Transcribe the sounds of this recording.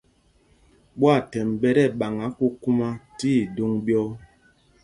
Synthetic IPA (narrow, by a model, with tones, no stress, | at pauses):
ɓwa˦˨tɛ˨mbɛ˦ɾɛ˦˨ɓa˨ŋa˨˦ku˦ku˦ma˦tiː˦˨do˦ŋbjɔ˦